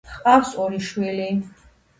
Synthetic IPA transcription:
χqʼawsɔɾiʃwili

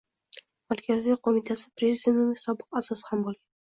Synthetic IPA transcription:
maɾkʲʰaziqʰomit̪ʰasɪpɾezɪd̪ʲe̞nt̪ʊmɪsɒbɨqasɒshambolˠɡʲan

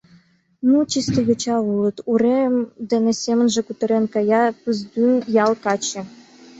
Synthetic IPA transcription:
nut͡ɕist̪ɤ̆ɣʲĕt͡ɕɑulˠɤ̆t̪uɾemd̪enesʲemə̆nʒĕkut̪ɤ̆ɾenkɑjɑpɯzd̪ynjɑlˠkɑt͡ɕɘ̆

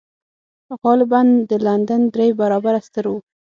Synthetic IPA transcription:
pəqɑlɪband̪əland̪and̪ɾejbaɾɑbaɾast̪əɾwu

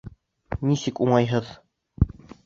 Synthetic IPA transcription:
nisɘkuɴɑjɦɤð

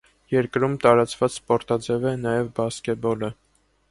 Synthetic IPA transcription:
jɛɾkɾumt̪ɑɾɑt͡svɑt͡sspɔɾt̪ɑd͡zɛvɛnɑjɛvbɑskɛbɔlə

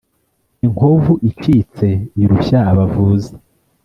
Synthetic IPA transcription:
iŋhovuʔit͡ʃiːt͡se̞iɾuçaːβavuːze̥

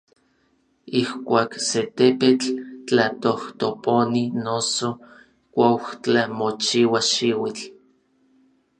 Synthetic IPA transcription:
ihkʷaːkset̪epet͡ɬt͡ɬat̪oht̪oponinoso | kʷaht͡ɬamot͡ʃiwaʃiwit͡ɬ

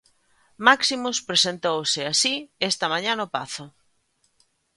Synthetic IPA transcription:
maksimʊspɾesent̪owsɪasiest̪ɐmaɲanopaθʊ

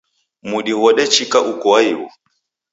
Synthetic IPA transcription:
muɗiwɔɗɛt͡ʃikaʔukɔaiwɔ̰

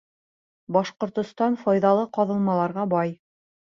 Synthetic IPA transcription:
bɑʃqŏɾt̪ŏst̪ɑnfɑjðɑlˠɤqɑðɤ̆lˠmɑlˠɑɾʁɑbɑj

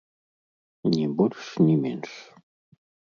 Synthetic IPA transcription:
nʲibolʲʃnʲimenʃ

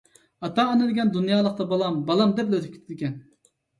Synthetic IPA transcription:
ɑt̪ɑːnɨd̪ɪɡʲɛnd̪unjɑːlˠəq̚t̪ɑbɑlˠɑmbɑlˠɑmd̪ɛpløt̪ʰɪp̚kʰʲe̥t̪ʰɪd̪ɪkʲʰɛn

